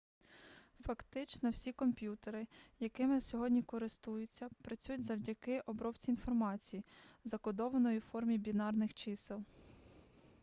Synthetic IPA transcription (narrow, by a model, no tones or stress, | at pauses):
fɐkt̪ɪt͡ʃnɔwsʲikɔmpʲjut̪eɾɪjɐkɪmɪsʲɔɦɔdʲnʲikɔɾɪst̪ujʊt͡sʲːɐpɾɐt͡sʲujʊtʲzɐwdʲɐkɪʔɔbɾɔpt͡sʲiin̪fɔrmɑt͡sʲijizɐkɔd̪ɔʋɐnɔjuwfɔrmʲibʲinɑrnɪxt͡ʃɪsɪlˠ